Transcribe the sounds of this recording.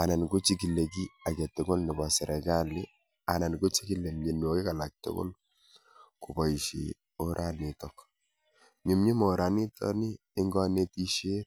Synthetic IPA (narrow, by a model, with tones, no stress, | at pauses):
a˨na˨nɡu˦t͡ʃi˦ki˨le˨ki˦a˨kɛ˨tʊ˨ɡo˦lnɪ˨bɔ˨sɛ˨ɾe˨ɡa˦lɪ˦ | a˨na˨nɡo˦t͡ʃi˦ki˨le˨mɲe˨n˨o˨kɪ˦ka˨la˨k̚tʊ̰˦ɡo̰˦l | ku˨bɔ˨i˨ʃḭ˨ | o˦ɾʔa˨nɪ˨tɔ˨k | ɲu˨mɲi˦mo˨ɾa˨nɪ˦tɔ̰˦niː˦ŋɡɔ˦ne˦ti˦ʃe˦